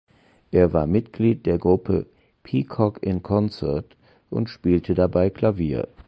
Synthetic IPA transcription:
ʔeːɐvaːɐmɪtɡ̥liːt̚d̥eːɐɡʁʊpʰə̰ | pʰikʰɔkɪnkʰɔnt͡sɛɐt | ʔʊ̰ntʃpiːltʰədabaɪkʰl̥aviːɐ

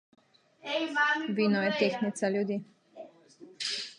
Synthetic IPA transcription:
ʋiːnɔjɛt̪exnit̪saljud̪iː

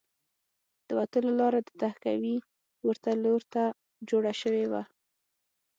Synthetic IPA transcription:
d̪̥əwat̪əlolɑɾad̪ət̪ahkawi | wəɾt̪aloɾt̪a | d͡ʒoɽaʃəwewa̰

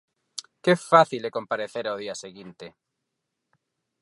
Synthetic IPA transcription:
kefaθilekõmpaɾeθeɾaoðiaseɣint̪e

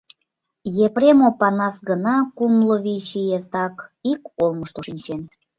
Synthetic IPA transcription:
jepɾemopɑnɑsɡənɑkumloβit͡ɕijert̪ɑkikolməʃt̪oʃinʲt͡ɕen

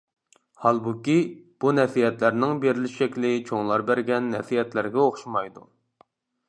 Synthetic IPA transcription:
hɑlˠbukʲib̥unɛsijɛt̪læɾnɪŋbeɾɪlɪʃɛkʲlɪt͡ʃʰoŋlˠɑɾbæɾɡʲɛnːɛfijɛt̪læɾɡʲɛoχʃumɑjd̪ṵ

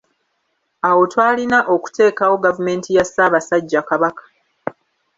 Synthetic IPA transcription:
awo̞twaːlinaʔo̞ku̥te̞ːkawo̞ɡavume̞ːntijasaːβasaɟːakaβakḁ

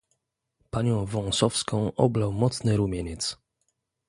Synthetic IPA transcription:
paɲɔ̃w̃vɔ̃w̃sɔfskɔ̃w̃ʔɔ̰blawmɔt̪snɘɾumʲjeɲɛt̪s

